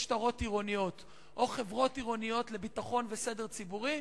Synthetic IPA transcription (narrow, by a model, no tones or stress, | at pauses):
ʃtaʁo̞tiʁo̞nijo̞t | ʔo̞χe̞vʁo̞tiʁo̞nijo̞tle̞bitaχo̞nvese̞de̞ʁt͡sibuʁi